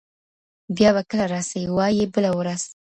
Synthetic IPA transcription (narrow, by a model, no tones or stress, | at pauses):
bjɑβakəlaɾɑsawiwɑjebəlawɾaz̥